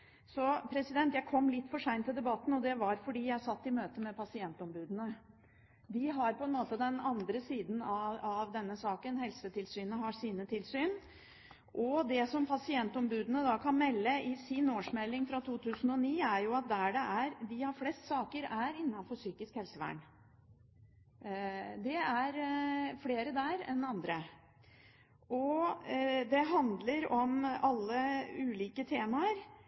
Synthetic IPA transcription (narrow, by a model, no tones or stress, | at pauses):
sɔpʰɾɛsɪd̪ɛnt̪jæɪkʰɔmːlɪt̪ːfɔʂæɪnt̪ʰːɪld̪ɛbɑt̪ːn̩ɔd̪ɛʋɑɾfɔɖiːjæɪsɑt̪ːɪmøːt̪əmɛpʰɑsɪɛnt̪ɔmbʉːd̪ənə | d̪ɪɦɑɾpʰɔɛnmoːt̪əd̪ɛnɑnd̪ɾəsiːd̪n̩ɑɑʋd̪ɛnːəsɑːkənhɛlsət̪ʰɪlsyːnəɦɑʂiːnət̪ʰɪlsyːn | ʔɔd̪ɛsɔmpʰɑsɪɛnt̪ɔmbʉːd̪ənəd̪ɑkʰɑnmɛlːəʔɪsɪnoːʂmɛlːɪŋfɾɑt̪ʰuːt̪ʰʉːsən̩ɔniːæɾjʊɑt̪̚d̪æɖɛʔæɾd̪ɪhɑɾflɛst̪sɑːkəɾæɾɪnːɑnfɔɾʂyːkɪskhɛlsəʋæ̰ɳ | d̪ɛæɾfleːɾəd̪æɾɛ̰nɑnd̪ɾə | ʔɔ | d̪ɛɦɑnd̪ləɾɔmɑlːəʉːliːkət̪ʰeːmɑəɾ